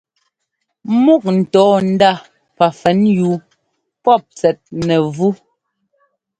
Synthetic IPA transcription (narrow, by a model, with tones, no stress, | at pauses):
mu˦˨k̚n̩˨tɔː˨˦n̩˦da˦˨ | pa˨fɛ˨˦njuː˨ | pɔ˦˨p̚t͡sɛ˨t̚nɛ˨vu˦